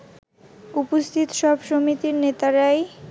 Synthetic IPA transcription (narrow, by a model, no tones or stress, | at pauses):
upost̪ʰit̪oʃɔbʃomit̪iɾnet̪aɾae